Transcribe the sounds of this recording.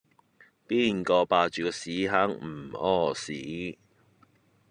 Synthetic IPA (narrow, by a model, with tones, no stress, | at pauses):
piː˥˩nkɔː˧paː˧t͡ʃyː˨kɔː˧siː˨˥ɦaː˨˥ŋm̩˨˩ɔː˥˩siː˨˦